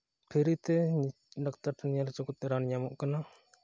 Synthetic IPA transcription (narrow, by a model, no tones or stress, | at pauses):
pʰiɾit̪ɛ | ɖak̚t̪aɾt̪aɲalt͡ʃɔkut̪̚ːɛɾanɲamɔʔkana